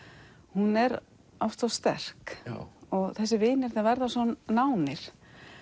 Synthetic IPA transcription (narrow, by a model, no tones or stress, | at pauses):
hunɛɾ | ɔft̪awst̪ɛ̰r̥k | ɔɣθɛs̬ːɪvɪːnɪɾ̥θɛavɛɾðasɔnnaːwnɪɾ̥